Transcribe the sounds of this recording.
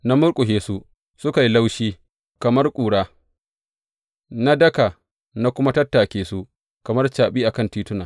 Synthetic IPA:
na˦mʊ˦ɽkʷʼʊ˨ɦeː˨su˦ | sʊ˦ka˨ji˦la˦wʃiː˦ | kɐ˨mɐ˦rkʷʼuː˨ɽaː˦ | na˦dɐ˦ka˨ | na˦kʷʊ˦ma˦tɐ˦tːa˨kʲeː˨su˦ | kɐ˨mɐ˦rt͡ʃaː˨ɓiː˦ʔa˨kɐ˦ntiː˦tʊ˦naː˨

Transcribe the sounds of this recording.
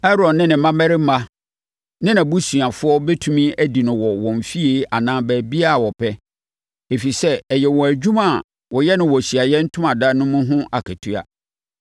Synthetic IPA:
ɛ˦ɾɔ˨nnɪ̃˦nɪ̃˨˦mã˦mɛ˦ɾɪ˦mã˦ | nɪ̃˦nã˨bu˦su˨a˨fʊ˦ɔ˦be˦tʰu˦mĩ˦æ˦di˨nʊ̃˨wɔ˨wɔ̃˨m˨fi˦e˨ʔa˨nãː˦bæː˨bi˦a˦˨wɔ˨pʰɛ˦ | e˨fi˨sɛ˦ɛ˨jɛ˨wɔ̃˨æ˨d͡ʑᶣu˦mã˨ | wɔ˨jɛ˦nʊ̃˦wɔ˨sɥa˨jɛ˦n̩˦tʰʊ̃˦mã˨da˦nʊ̃˦mʊ̃˦ɦʊ̃˦ʔa˨kʰæ˨tʰu˦a̰˨

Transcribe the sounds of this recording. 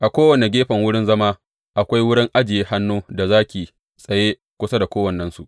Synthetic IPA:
ʔa˨kʷoː˦wɐ˨ne˨ɡʲeː˦ɸɐ˨ŋwʊ˦ɽɪ˦nzɐ˦maː˦ | ʔa˨kʷa˦jwʊ˦ɽɪ˦ŋʔa˦d͡ʒɪ˨jeː˦ha˦nːuː˦da˨zaː˦kʲiː˨ | sʼɐ˨jeː˦ | kʷʊ˦sa˦da˨kʷoː˦wɐ˨nːɐ˦nsu˨ʔ

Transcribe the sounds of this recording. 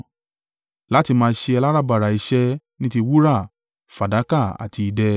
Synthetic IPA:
la˦ti˧mãː˧˦ʃe˧ɛ˧la˦ɾa˦ba˨ɾa˨i˧ʃɛ˦ | nĩ˦ti˧wu˦ɾa˦˨ | fa˨da˨˦ka˦˨a̰˨ti˧i˧dɛ˧

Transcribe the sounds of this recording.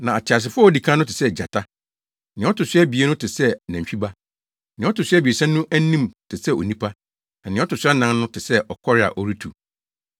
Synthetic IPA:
nã˨a˨t͡ɕʰɪ˨a˨s̬ɪ˨fʊ˦˨di˨kʰã˦n˦ʊ̃˦tʰɪ̥˨sɛ˦˨d͡ʑa˨tʰa˦ | nɪ̃˨˦ɔ˦tʊ˨sɛ˦bi˨e˦nʊ̃˦tʰɪ˨sɛ˦næ̃˨ɕᶣi˦ba˦ | nɪ̃˨˦ɔ˦tʊ˨sɥa˦bi˨e˨sɛ̃˦nʊ̃˦ʔæ˦nĩ˦mtʰɪ˨sɛ˦o̰˨nĩ˦pʰa˦ | nã˨nɪ̃˨˦ɔ˦tʊ˨sɪ˦a˦nã˦nnʊ̃˦tʰɪ˨sɛ˦ʔɔ˨kʰɔ˦ɾɪ˦a̰˨ʔɔ˦ɾi˦tʰu˨

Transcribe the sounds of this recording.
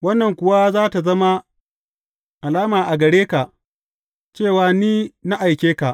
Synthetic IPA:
wɐ˦nːɐ˨ŋkʷʊ˦˨wa˦zaː˦ta˨zɐ˦ma˦ | ʔa˨laː˦maː˨ʔa˨ɡɐ˨ɽeː˦ka˨ʔ | t͡ʃeː˦˨waː˨niː˦na˦ʔa˨jkʲeː˦ka˨ʔ

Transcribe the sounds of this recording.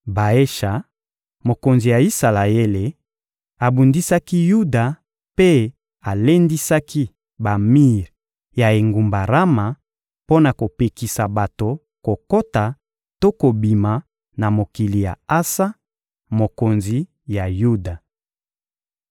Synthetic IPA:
ba˨e˦ʃa˨ | mo˨ko˨nzi˨ja˨i˦sa˨la˨e˦le˨ | a˨bu˨ndi˦sa˦ki˦ju˦da˨ | pe˦ | a˨le˦ndi˦sa˦ki˦ | ba˨mi˦ʁ | ja˨e˨ŋɡu˨mba˨ʁa˦ma˨ | po˦na˨ko˨pe˨ki˨sa˨ba˨to˨ | ko˨ko˦ta˨ | to˦ko˨bi˨ma˨ | na˨mo˨ki˨li˨ja̰˨a˦sa˦ | mo˨ko˨nzi˨ | ja˨ju˦da˨

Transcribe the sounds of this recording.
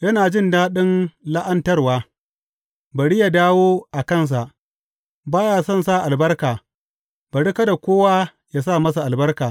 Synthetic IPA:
jɐ˦naː˨d͡ʒɪ˦˨ndaː˦ɗɪ˦nla˦ʔɐ˦ntɐ˦rwaː˦ | ba˨ɽi˦ja˨daː˦woː˦ʔa˨kɐ˦˨ns̬a˨ʔ | baː˦jaː˨sɔ˦˨nsa˦˨ʔa˨lbɐ˦rkaː˨ | b̥a˨ɽi˦kɐ˦da˨kʷoː˦wa˦ | jaː˦saː˦˨mɐ˦sa˨ʔa˨lbɐ˦rkaː˨

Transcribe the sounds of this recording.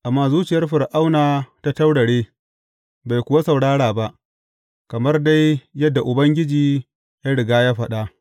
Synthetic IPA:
ʔa˨mːaː˦zuː˦t͡ʃɪ˨jɐ˦rɸɪ˨rʔa˦wnaː˨ta˦ta˦wɽɐ˨ɽeː˦ | ba˨jkʷʊ˨wa˦sɐ˨wɽaː˦ɽaː˨ba˦ʔ | kɐ˨mɐ˦rda˦jːɐ˦dːa˨ʔʊ˨bɐ˦ŋɡʲɪ˦d͡ʒiː˨ | ja˦ɽɪ˨ɡaː˦jaː˦ɸɐ˦ɗa˦ʔ

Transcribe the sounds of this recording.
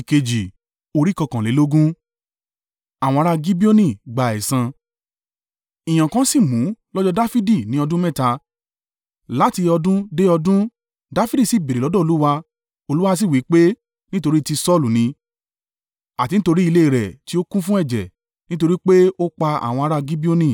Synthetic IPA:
i˨ke˧d͡ʒi˨ | o˧ɾi˦kɔ˧kã˨le˨˦lo˦ɡũ˦ | a˨w̃ɔ̃˧a˧ɾa˧ɡi˦bi˦o˦nĩ˦˨ɡ͡ba˨ɛ˨sã˧ | ĩ˨j̃ã˨kã˨˦si˦˨mũ˨˦lɔ˦d͡ʒɔ˦da˦fi˦di˦˨nĩ˨˦ɔ˧dũ˦mɛ̃˦˨ta˧ | la˨˦ti˧ɔ˧dũ˦de˦ɔ˧dũ˦ | da˦fi˦di˦˨si˦˨be˨ɾe˨lɔ˨˦dɔ̃˦o˧lu˦wa˧ | o˧lu˦wa˦s̬i˦˨wi˨˦k͡pe˦ | nĩ˦to˧ɾi˦˧ti˧sɔ˦˨lu˨nĩ˧ | a˨ti˧n̩ĩ˦to˧ɾi˦i˧le˦i˨ɾɛ˨ti˦o˦kũ˦fũ˦ɛ˦˨d͡ʒɛ̰˨ | nĩ˦t̬o˧ɾi˦k͡pe˦o˦k͡pa˧a̰˨w̃ɔ̃˧a˧ɾa˧ɡi˦bi˦o˦nĩ˦˨

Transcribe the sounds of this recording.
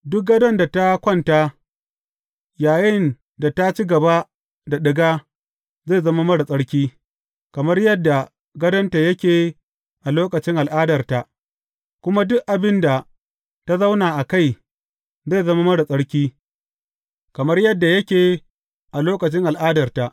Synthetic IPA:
dʊ˦k̚ɡɐ˦dɐ˦nda˨ta˦kʷɔ˦˨nta˦ | jaː˨jɪ˦˨n | da˨ta˦t͡ʃiː˦ɡɐ˨ba˦ | da˨ɗɪ˨ɡaː˦ | za˦˨zɐ˦ma˦mɐ˦ɽa˨sʼɐ˦ɽkʲiː˦ | kɐ˨mɐ˦rjɐ˦dːa˨ | ɡɐ˦dɐ˦nta˨jɐ˦kʲeː˨ | ʔa˨loː˦kɐ˨t͡ʃɪ˦ŋʔa˨lʔaː˦dɐ˨rta˨ʔ | kʷʊ˦ma˦dʊ˦ʔʔa˨bɪ˦nda˨ | ta˦za˦wnaː˨ʔa˨ka˦˨j | za˦˨zɐ˦ma˦mɐ˦ɽa˨sʼɐ˦ɽkʲiː˦ | kɐ˨mɐ˦rjɐ˦dːa˨jɐ˦kʲeː˨ | ʔa˨loː˦kɐ˨t͡ʃɪ˦ŋʔa˨lʔaː˦dɐ˨rta˨ʔ

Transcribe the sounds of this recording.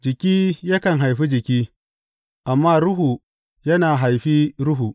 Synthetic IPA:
d͡ʒɪ˨kʲiː˦jɐ˦kɐ˨nɦa˨jɸi˦d͡ʒɪ˨kʲiː˦ | ʔa˨mːaː˦ɾʊ˦ɦu˨ | jɐ˦naː˨ɦa˨jɸiː˦ɾʊ˦ɦu˨

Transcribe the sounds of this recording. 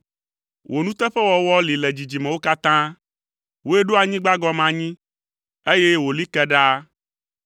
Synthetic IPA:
wʔo˨nũ˦t̪ɛ˦ɸɛ˦wɔ˨wɔ˦li˨lɛ˨d͡ʑi˨d͡ʑi˨mɛ̃˨wo˦ka˦t̪ã˦ | wo˦e˦ɖo˦a˨ɲĩ˦ɡ͡ba˦ɡɔ˦mã˨ɲĩ˦ | e˦je˦wo˨li˦kɛ˦ɖa˦

